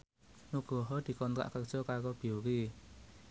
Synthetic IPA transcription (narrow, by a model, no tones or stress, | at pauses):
nuɡ̥ɔ̤ɦɔd̪̥i̤kɔnt̪ɾa̰ʔkər̥ʒ̥ɔ̤kaɾob̥i̤uki